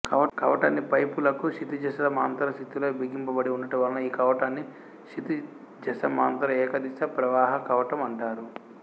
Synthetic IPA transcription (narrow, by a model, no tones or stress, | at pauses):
kɐʋɐkɐʋɐʈa̰ːnːipɐjpulɐkuʃit̪id͡ʒɐsɐlɐmaːnt̪ɐɾɐst̪it̪uloːbiɡimpɐbɐɽiunːɐʈɐʋɐlɐnɐiːkɐʋɐʈaːnːi | ʃit̪i | d͡ʒɐsɐmaːnt̪ɐɾɐɛːkɐd̪isɐpɾɐʋaːɦɐkɐʋɐʈɐmɐɳʈaːɾu